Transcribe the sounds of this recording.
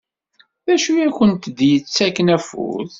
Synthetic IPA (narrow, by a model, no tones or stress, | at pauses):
ðæʃujæçənt̪d̪jət͡sːækənæfṵθ